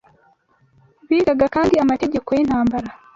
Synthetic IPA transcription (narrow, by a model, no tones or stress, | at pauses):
βiːɡaɡakaːndiamate̞ɟe̞kojen̥haːmbaɾa